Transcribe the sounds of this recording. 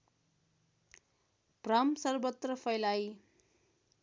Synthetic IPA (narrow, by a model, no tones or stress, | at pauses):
b̥rʌmsʌrbʌt̪rʌpʰʌjlaj